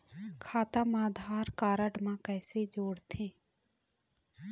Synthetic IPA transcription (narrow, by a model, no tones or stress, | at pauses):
kʰaːt̪amaːd̪ʱaːɾkaːɾəɖmãkɛːsed͡ʒoːɽt̪ʰẽː